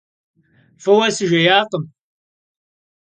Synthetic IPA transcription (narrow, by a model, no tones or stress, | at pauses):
fɐwɐsɨʒɐjaːqəm